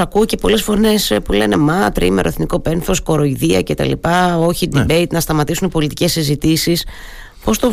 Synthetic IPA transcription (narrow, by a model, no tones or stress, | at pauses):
ɐkuoce̞po̞le̞sfo̞ɾne̞spule̞ne̞mɐt̪ɾḭme̞ɾoeθniko̞pe̞nθo̞sko̞ɾo̞iðiɐ̰ce̞t̪ɐ̰lḭpɐo̞çid̪ibe̞jt̪nɐst̪ɐmɐt̪isunpo̞lit̪ice̞sizit̪isis | po̞st̪o